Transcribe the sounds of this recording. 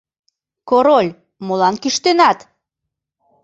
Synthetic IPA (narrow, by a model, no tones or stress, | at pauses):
koɾolʲ | molɑnkyʃt̪enɑt̪